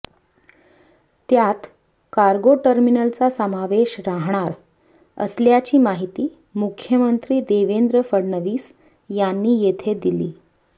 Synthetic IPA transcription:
t̪jat̪ | kaɾɡoʈəɾminəlt͡sasəmaʋeɕɾaɦɳ̃aɾ | ə̰sljat͡ɕiːmaɦit̪iː | mukʰjəmənt̪ɾiːd̪eʋend̪ɾəfəɽɳəʋiːs | janːiːjet̪ʰed̪ilḭː

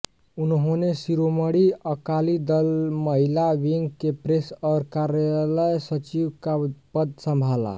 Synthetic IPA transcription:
unɦonesiɾoməɽiəkalid̪əlməɦilawiŋɡkepɾesʌɾkaɾjaləjsət͡ʃiwkapəd̪səmbʱala̰

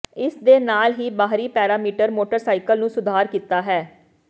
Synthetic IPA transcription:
ɪsd̪eːnaːlɦiːbaːɦɾiːpɛːɾaːmiːʈəɾmoːʈəɾsaːɪkəlnũːsʊd̪ʱaːɾkiːt̪aːɦɛː

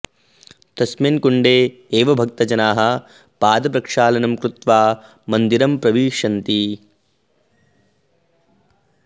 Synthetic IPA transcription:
t̪ɐsmɐnkuɳɖeː | eːʋɐbʱɐk̚t̪ɐd͡ʒɐnaːɦɐ̆ | paːd̪ɐpɾɐkʂaːlɐnɐmkɾut̪ʋaː | mɐnd̪iɾɐmpɾɐʋiːʂɐnt̪i

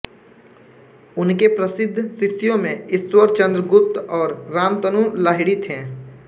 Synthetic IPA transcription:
ʊnkepɾəsɪd̪ʱːsɪsijõmẽɪswəɾt͡ʃə̃nd̪ɾəɡʊp̚t̪ɔːɾːaːmt̪ənũːlaːɦɪɽit̪ʰɦɛ̃ː

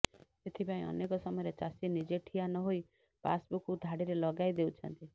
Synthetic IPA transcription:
et̪ʰibãĩɔ̰nekɔsɔmɔjɾet͡ʃasinid͡ʒeʈʰianɔɦoj | pa̰sbukud̪ʱaɽiɾelɔɡajd̪eut͡ʃʰɔnt̪i

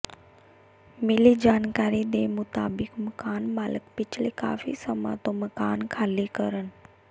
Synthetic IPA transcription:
mɪlid͡ʒaːnkaːɾid̪emʊt̪a̰ːbɪkməkaːnmaːləkpɪt͡ʃʰleka̰ːfḭsəma̰ːt̪oməkaːnkʰaːlikəɾən

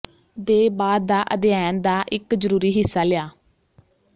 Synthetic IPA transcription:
d̪eːbaːd̪ːaːʔəd̪ɪjaːnd̪aːʔɪkzəɾuːɾiːɦɪsːaːlɪjaː

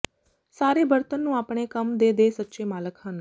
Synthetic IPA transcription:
saːɾeːbəɾt̪ənːũːaːpɳ̃eːkəmd̪eːd̪eːsətːʃeːmaːləkɦən

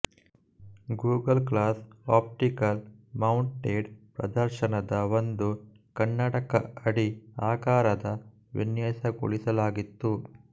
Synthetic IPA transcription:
ɡuːɡɐlklaːsaːp̚ʈikɐlmɐwɳʈʈeːɖpɾɐd̪ɐɾʃɐnɐd̪ɐʋond̪u | kɐɳːɐʈɐkɐɐɽiaːkaːɾɐd̪ɐ | ʋḭnjɐːsɐɡṵɭisɐlaːɡit̪ːu

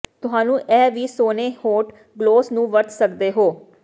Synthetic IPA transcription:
t̪ʊɦaːnũːʔɛːʋiːsoːneːhoːʈ | ɡloːsnũːʋəɾt̪səkd̪eːɦoː

